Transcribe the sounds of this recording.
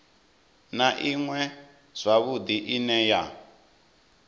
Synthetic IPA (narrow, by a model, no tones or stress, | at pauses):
naʔiŋwɛ | z̥ʷaβud̪iʔinɛja